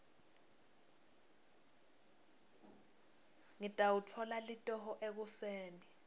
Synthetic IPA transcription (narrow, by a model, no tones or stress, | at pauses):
ŋitʼawutʰɔlalitʼɔhɔʔek̬useːni